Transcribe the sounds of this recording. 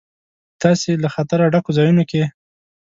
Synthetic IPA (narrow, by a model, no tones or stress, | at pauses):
t̪ɑselaxat̪aɾaɖakozɑjunoke